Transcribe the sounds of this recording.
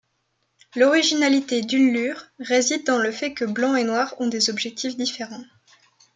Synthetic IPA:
lɔʁiʒinalit̪ed̪ynlyʁːezid̪̚ːɑ̃ləfɛkəblɑ̃enwaʁɔ̃d̪ezɔbʒɛk̚t̪ʰifd̪ifeʁɑ̃

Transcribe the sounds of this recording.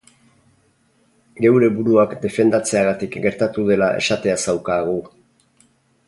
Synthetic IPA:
ɡe̞wɾe̞βuɾuakd̪e̞fe̞nd̪at͡se̞aɣat̪ikɡe̞ɾt̪at̪uð̞e̞laʔe̞̰ʃat̪e̞asawkaːɣ̞u

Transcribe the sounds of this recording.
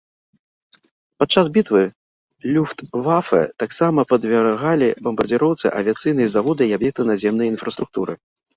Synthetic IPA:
pat̪̚t͡ʂːasbʲit̪vɨ | lʲuft̪vafɛ̰t̪aksamɐpɐd̪vʲarɣalʲibɐmbɐrd͡zʲiɾɔwt̪sɨ̰ʔɐ̰vʲiat̪sɨjnɨjɐzavɔd̪ɨiabjɛk̚t̪ɨnazʲɛmnɐjinfɾɐst̪ɾuk̚t̪uɾʔɨ

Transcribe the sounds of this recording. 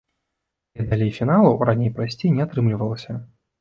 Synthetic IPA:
nʲɛd̪alʲejfʲinalˠɐɾanʲejpɾasʲt͡sʲejnʲɛat̪ɾɨmlʲivɐlˠɐsʲɐ

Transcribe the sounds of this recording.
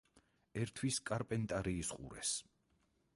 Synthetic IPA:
ɛɾt̪ʰwiskʼaɾpʼɛnt̪ʼaɾiːsqʼṵɾɛ̰s

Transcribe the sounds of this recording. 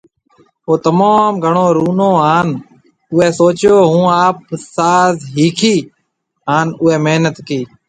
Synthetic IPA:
oːt̪əmaːmɡʱəɳoːɾuːnõːɦaːn | ʊɦeːsoːt͡ʃjoːɦũːaːp̚saːzɦiːkʰiː | ɦaːnʊːeːmeɦnət̪kiː

